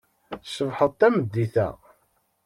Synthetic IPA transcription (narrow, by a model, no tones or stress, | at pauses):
səvħəðˤt̪ːæməd̪ːiθæ̰ʁ